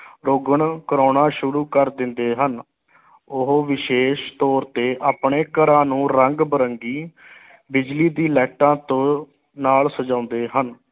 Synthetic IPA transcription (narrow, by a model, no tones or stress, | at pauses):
ɾoːɡəɳkəɾoːnãːʃʊɾuːkəɾd̪ɪnd̪eːɦən | ʊɦoːʋɪʃeːʃt̪ɔːɾt̪eːʔaːpɳeːkəɾãːnũːɾəŋɡbəɾəŋɡiː | bɪd͡ʒliːd̪iːlɛːʈãːt̪õː | naːlsəd͡ʒãːʊnd̪eːɦən